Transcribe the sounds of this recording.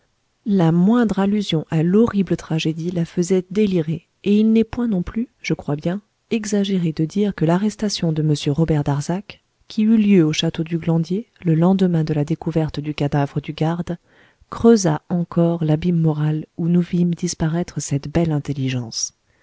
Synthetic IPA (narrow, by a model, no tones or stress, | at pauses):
lamwɛ̃d̪ʁalyzjɔ̃ʔalɔʁiblət̪χaʒed̪ilafəzɛd̪eliʁe | eilnɛpwɛ̃nɔ̃plyʒ̥əkχwabjɛ̃ | ɛɡzaʒeʁed̪əd̪iʁkəlaʁɛst̪asjɔ̃d̪əməsjøʁɔbɛʁd̪aʁzakʲʰː | iyljøoʃat̪od̪yɡlɑ̃d̪je | ləlɑ̃d̪əmɛ̃d̪əlad̪ekuvɛʁt̪d̪ykad̪avʁəd̪yɡaʁd̪ | kχøzaɑ̃kɔʁlabimːɔʁalunuvimd̪ispaʁɛt̪χəsɛt̪bɛlɛ̃t̪elːiʒɑ̃s